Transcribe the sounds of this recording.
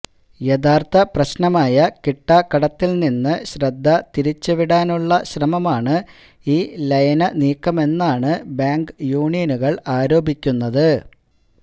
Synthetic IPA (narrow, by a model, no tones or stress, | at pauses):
jeðaːrt̪ɐprɐɕnɐmaːjɐkiʈːɐkɐɽɐt̪ːilninːɨɕɾɐd̪ʱːɐt̪iɾit͡ɕːɨʋiɽaːnuɭːɐɕrɐmɐmaːɳɨ | iːlɐjɐnɐniːkːɐme̞nːaːɳɨbaːŋɡjuːɳijɐnuɣɐɭaːɾo̞ːbʱikʲːunːɐðɨ